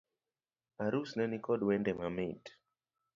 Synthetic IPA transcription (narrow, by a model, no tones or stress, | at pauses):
aɾusnɛnikɔdwɛndɛmamit